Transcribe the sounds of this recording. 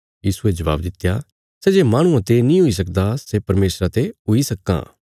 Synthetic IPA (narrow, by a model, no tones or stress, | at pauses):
jiːsued͡ʒɐʋa̰ːbd̪ɪt̪ːja | sɛːd͡ʒeːmaːɽ̃ʊ̃ãt̪enĩɦʊis̬ɐkd̪asɛpɐɾmeːsɾat̪eɦʊisɐkːã̰ː